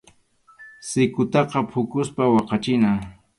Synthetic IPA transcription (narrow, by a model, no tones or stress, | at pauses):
sɪkʊt̪ɑqɑpʰʊkʊspawɑqɑt͡ʃɪna